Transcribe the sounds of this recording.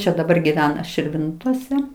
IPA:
ˈt͡ʃʲɛ dɐˈbɐr ɡʲiːˈʋʲæːnɐ ʃʲɪrʲˈʋʲɪntoːsʲɛ

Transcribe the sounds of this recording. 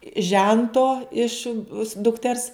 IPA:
ˈʒʲɛntoː ɪʃ dʊkˈtʲɛrs

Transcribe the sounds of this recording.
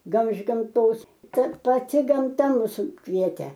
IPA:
ˈɡɐlˠ ɪʃ ɡɐmˈtoːs ˈkɐt pɐˈtʲɪ ɡɐmˈtɐ ˈmʊs ˈkʋʲiɛtʲeː

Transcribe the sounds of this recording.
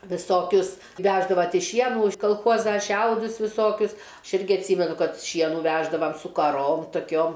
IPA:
ʋʲɪˈsoːkʲʊs ˈʋʲæːʒdɐʋɐ ˈtʲɛɪ ˈʃʲiɛnuː ɪʃ kɐlˠˈxuɔzɐ ˈʃʲɛʊdʊs ʋʲɪˈsoːkʲʊs ˈɐʃ ˈɪrʲɡʲɪ ɐtʲˈsʲiːmʲɛnʊ ˈkɐt ˈʃʲiɛnuː ˈʋʲæːʒdɐʋɐm sʊ kɐˈroːm toːˈkʲoːm

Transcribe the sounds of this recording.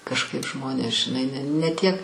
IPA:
kɐʃˈkɐɪp ˈʒmoːnʲeːs ʒʲɪˈnɐɪ n nʲɛ tʲiɛk

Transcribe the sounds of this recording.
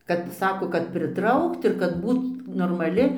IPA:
ˈkɐt ˈsɑːkoː kɐt pʲrʲɪˈtrɐʊkt ɪr kɐt ˈbuːt noːrmɐˈlʲɪ

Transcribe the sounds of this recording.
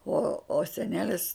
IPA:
oː oː sʲɛˈnʲæːlʲɪs

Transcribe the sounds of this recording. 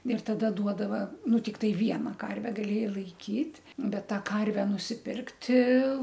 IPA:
ɪr tɐˈdɐ ˈduɔdɐʋɐ ˈnʊ tʲɪkˈtɐɪ ˈʋʲiɛnɐ ˈkɐrʲʋʲɛ ɡɐˈlʲeːjɛɪ lˠɐɪˈkʲiːtʲ ˈbʲɛt ˈtɑː ˈkɐrʲʋʲɛ nʊsʲɪˈpʲɪrktʲɪ

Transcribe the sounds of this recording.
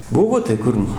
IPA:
ˈbʊʋoː tɐɪ ˈkʊr nʊ

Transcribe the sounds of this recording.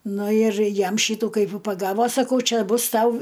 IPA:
ˈnʊ ɪr ˈjɛm ˈʃʲiːtuː ˈkɐɪp ʋ pɐˈɡɑːʋoː sɐˈkɐʊ ˈt͡ʃʲɛ ˈbʊs ˈtɐʊ

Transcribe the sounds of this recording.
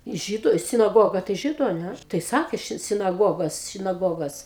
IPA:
ˈʒʲiːdʊ sʲɪnɐˈɡoːɡɐ tɐɪ ˈʒʲiːdʊ ɐ ˈnʲæ tɐɪ ˈsɑːkʲeː ˈʃʲɪt sʲɪnɐˈɡoːɡoːs sʲɪnɐˈɡoːɡoːs

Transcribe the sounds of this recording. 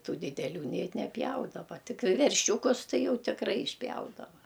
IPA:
ˈtuː dʲɪdʲɛˈlʲuː nʲɛɪ nʲɛˈpʲjɛʊdɐʋɐ ˈtʲɪk ʋʲɛrʲˈʃʲuːkʊs ˈtɐɪ ˈjɛʊ tʲɪkˈrɐɪ ɪʃʲˈpʲjɛʊdɐʋɐ

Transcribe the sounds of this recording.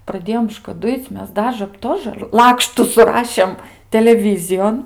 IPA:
prɐˈdʲeːjoːm ʃkɐˈdʊɪt͡sʲ ˈmʲɛs ˈdɑːʒə ˈtoːʒə ˈlˠɑːkʃtʊ sʊˈrɑːʃʲeːm tʲɛlʲɛˈʋʲiːzʲɪjoːn

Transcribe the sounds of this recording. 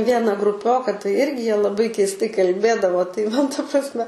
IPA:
ˈʋʲiɛnɐ ɡrʊˈpʲoːkɐ tɐɪ ˈɪrʲɡʲɪ ˈjiɛ lˠɐˈbɐɪ kʲɛɪsˈtɐɪ kɐlʲˈbʲeːdɐʋoː tɐɪ ˈmɐn tɐ prɐsʲˈmʲɛ

